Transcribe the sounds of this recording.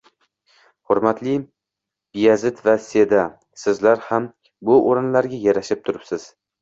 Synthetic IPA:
hʊɾmat̪ʰlɪ | b̥ijazɪt̪vase̞d̪a | sɪzlaɾham | bʊʔoɾɪnlaɾɡʲajaɾaʃɪp̚t̪ʰʊɾɪpsɪz̥

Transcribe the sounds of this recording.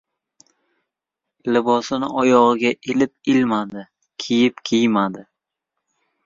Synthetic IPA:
lɪbɒsɪnɪ̰ɒjɒʁɨɡʲaʔelɪp̚ɪlmad̪ɪ | kʲʰejɪpkʲʰejmad̪ɪ

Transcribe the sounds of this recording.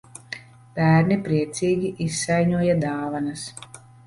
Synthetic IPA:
b̥æːɾnipɾiɛt̪siːɡʲiʔisːajɲuɔjad̪aːvanɐs

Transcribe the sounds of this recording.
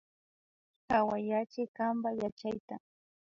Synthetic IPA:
kawajat͡ʃɪkambajat͡ʃajt̪a

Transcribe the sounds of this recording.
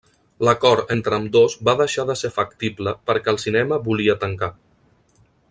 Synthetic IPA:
ləkɔɾent̪ɾəmd̪ozbaðəʃaðəseɾfəkt̪ibləpəɾkɛəlˠsinɛməbuliət̪əŋka

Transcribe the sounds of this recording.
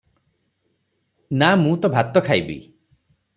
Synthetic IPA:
namũt̪ɔbʱat̪ɔkʰajbḭ

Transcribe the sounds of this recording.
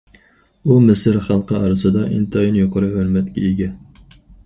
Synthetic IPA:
umɪsɪɾχɑlˠqəɑɾɨsɨd̪ɑʔint̪ʰɑjinjoqʰəɾɨɦøɾmɛt̪kʲɛ̰eɡʲɛ

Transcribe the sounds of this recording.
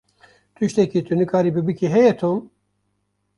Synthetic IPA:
t̪ʰyʃt̪ʰɛkit̪ʰynɨkʰaːɾibɨbɨkʰiɦɛjɛt̪ʰom

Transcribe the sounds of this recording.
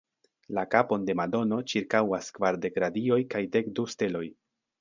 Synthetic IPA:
lakapo̞nde̞mado̞no̞t͡ʃiɾkawaskvaɾde̞kɾadio̞jkajde̞kduste̞lo̞j

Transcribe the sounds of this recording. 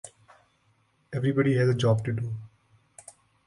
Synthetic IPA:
ɛʋɾibɔɖiɦɛzəd͡ʒɔːb̚ʈuɖuː

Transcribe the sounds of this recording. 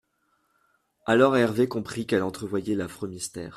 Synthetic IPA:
alɔʁɛʁvekɔ̃pχikɛlɑ̃t̪χəvwajɛlafχømist̪ɛ̰ːʁ

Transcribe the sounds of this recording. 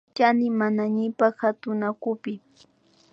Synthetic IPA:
t͡ʃanɪmanaɲɪpaxhat̪ʊnakʊpɪ

